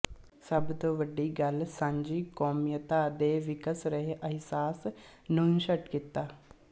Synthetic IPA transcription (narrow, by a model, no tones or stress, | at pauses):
səbt̪oːʋəɖːiːɡəlsãɲd͡ʒiːkɔːmjət̪aːd̪eːʋɪkəsɾəɦeʔəɦsaːs | nuːnʃəʈkɪt̪ːaː